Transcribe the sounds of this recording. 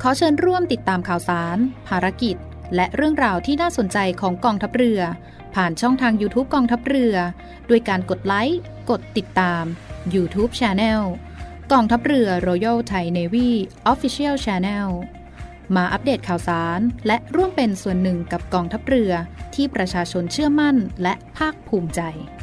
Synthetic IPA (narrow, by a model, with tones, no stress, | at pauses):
kʰɔː˨˦t͡ɕʰɤː˧nɾu˥˩əmt̪i˨˩t̪ːaː˧mkʰaː˨˩wsaː˩˦npʰaː˧ɾa˧˥ki˨˩t̪̚ | lɛ˦˥ʔɾɯ˥˩əŋɾaː˧wt̪ʰiː˥˩naː˥˩so˨˩˦nt͡ɕa˧jkʰɔː˩˦ŋkɔː˧ŋt̪ʰa˦˥p̚ɾɯ˧ɐ | pʰaː˨˩nt͡ɕʰɔ˥˩ŋt̪ʰaː˧ŋjuː˧t̪ʰuː˦˥p̚kɔː˧ŋt̪ʰa˦˥p̚rɯ˧ɐ | du˧əjkaː˧nko˨˩t̪̚la˦˥j | ko˨˩t̪ːi˨˩t̪ːaː˧mjuː˧t̪ʰuː˦˥p̚t͡ɕʰɛː˧nɛː˥˩w | kɔː˧ŋt̪ʰa˦˥p̚ɾɯ˧ɐɾoː˧ja˥˩wt̪ʰa˧jneː˧wiː˥˩ʔɔː˦˥fi˧˥sʰi˥əwt͡ɕʰɛː˧nɛ˥˩w | maː˧ʔa˦˥p̚deː˨˩t̪̚kʰaː˨˩wsaː˩˦nlɛ˦˥ʔɾu˥˩əmpe˧nsu˨˩ənːɯ˨˩ŋka˨˩p̚kɔː˧ŋt̪ʰa˦˥p̚ɾɯ˧ɐt̪ʰiː˥˩pɾa˧t͡ɕʰaː˧t͡ɕʰo˧nt͡ɕʰɯ˥˩ɐma˥˩nlɛ˦˥ʔpʰaː˥˩k̚pʰuː˧˩mt͡ɕa˧j